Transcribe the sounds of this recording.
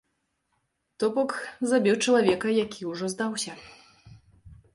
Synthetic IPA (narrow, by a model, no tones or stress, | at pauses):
t̪ɔbɔkzabʲiwt͡ʂɐlˠavʲɛkɐjakʲiwʐɔzd̪awsʲɐ